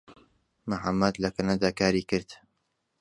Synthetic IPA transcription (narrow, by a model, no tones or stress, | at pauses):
maħamːɐd̪lɐkɐnad̪aːkaːɾiːkɨɾd̪̥